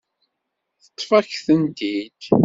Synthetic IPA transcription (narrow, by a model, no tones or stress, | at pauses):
θə̥t̪ˤːfɑçθənt̪id̪